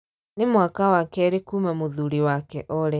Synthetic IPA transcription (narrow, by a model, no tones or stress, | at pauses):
nemwakawakɛɾekumamoðuɾiwakɛʔɔɾɛ